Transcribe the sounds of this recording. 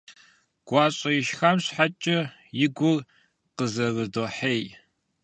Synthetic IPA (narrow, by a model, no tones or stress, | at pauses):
ɡ̥ʷɑːɕʼɐjɪʃxamɕħat͡ʃʼɐ | jɪɡʷʊr | qəzɐrɨdoːħeːj